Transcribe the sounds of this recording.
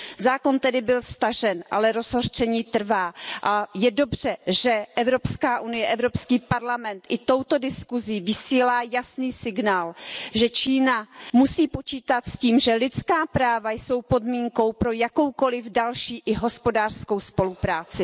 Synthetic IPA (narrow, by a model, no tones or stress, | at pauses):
zaːko̞nt̪ɛdɪbɪlst̪aʒɛnʔa̰lɛɾo̞zɦort͡ʃɛɲiːt̪r̩vaːʔajɛdo̞br̝̥ɛʒɛʔɛvɾo̞pskaːʔunɪjɛʔɛvɾo̞pskiːpaɾlamɛnt̪ʔɪt̪o̞wt̪o̞dɪskuziːvɪsiːlaːjasniːsɪɡnaːlʒɛt͡ʃiːnamusiːpo̞t͡ʃiːt̪at̪sciːmʒɛlɪt͡skaːpɾaːvajso̞wpo̞dmiːŋko̞wpɾojako̞wko̞lɪvdalʃiːʔɪɦo̞spodaːr̥sko̞wspo̞lupɾaːt͡sɪ